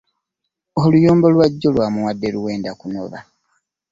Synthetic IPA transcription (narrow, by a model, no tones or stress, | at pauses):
olujoːmbo̞lwaɟːo̞lwaːmuwadːe̞ɾuwe̞ːndakuno̰βa